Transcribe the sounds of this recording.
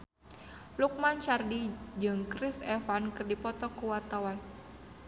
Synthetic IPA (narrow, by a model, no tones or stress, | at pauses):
luk̚manʃardid͡ʒɨŋkɾɪsɛfankɨrdipɔt̪ɔkuwart̪awan